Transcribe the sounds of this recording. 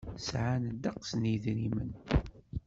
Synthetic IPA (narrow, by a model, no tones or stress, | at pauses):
sʕand̪ɑqsniðɾimən